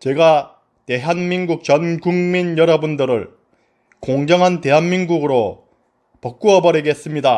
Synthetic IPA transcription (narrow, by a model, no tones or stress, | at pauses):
t͡ɕe̞ɡa | te̞ɦanminɡuk̚t͡ɕʌnɡuŋminjʌɾʌbundɯɾɯɭ | koŋd͡ʑʌŋɦante̞ɦanminɡuɡɯɾo | pʌk̚k͈uʌbʌɾiɡe̞s͈ɯmɲida